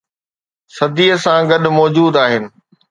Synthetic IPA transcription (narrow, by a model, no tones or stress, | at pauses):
sɐd̪iːəsãɡɐɗmɔːd͡ʑuːd̪aːɦɪnɪ̆